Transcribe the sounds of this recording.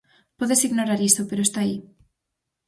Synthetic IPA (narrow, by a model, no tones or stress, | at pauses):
poðesiɣnoɾaɾisopeɾoest̪ai